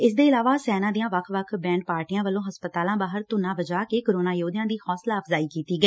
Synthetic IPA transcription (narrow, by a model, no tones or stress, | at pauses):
ɪsd̪eːɪlaːʋaːsɛːnãːd̪ijãːʋəkʰʋəkʰbɛ̃ːɳʈ̚paːɾʈɪjãːʋəlːõːɦəspət̪aːlãːbaːɦəɾt̪ʊnãːbəd͡ʒaːkeːkəɾoːnaːjoːd̪ɪjãːd̪iːhɔːslaːəpʰzaːiːkiːt̪iːɡəiː